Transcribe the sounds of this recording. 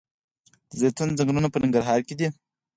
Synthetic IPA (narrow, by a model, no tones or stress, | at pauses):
əzet̪anzaŋɡɾunapənɪŋɡaɾɦɑːɾked̪i